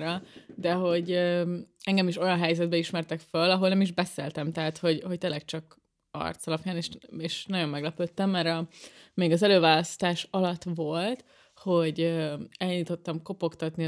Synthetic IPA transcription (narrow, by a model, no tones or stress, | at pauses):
ɾɒd̪ɛɦo̞ɟøɛŋɡɛmiʃo̞jɒnɦɛjzɛd̪̚bɛiʃmɛrt̪ɛkfølːɒɦo̞lnɛmiʒbɛseːlt̪ɛmt̪ɛɦaːt̪ho̞ɟho̞c̚t̪eːlːɛkt͡ʃɒk | ɒ̰rt̪sɒlɒpjaːneʃeːʃnɒɟo̞mːɛɡlɛpøt̪ːɛmːɛɾɒmeːɡɒzɛløːvaːlɒst̪aːʃɒlɒt̪ʋo̞lt̪ | ho̞ɟøɛlɲuːt̪o̞t̪ːɒmko̞po̞kt̪ɒt̪ni